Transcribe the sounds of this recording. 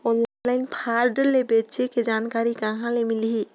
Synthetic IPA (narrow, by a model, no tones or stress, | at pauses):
ɔnllaɪnpʰaɾɖəɾlebet͡ʃeked͡ʒankaɾikaɦãlemilɦi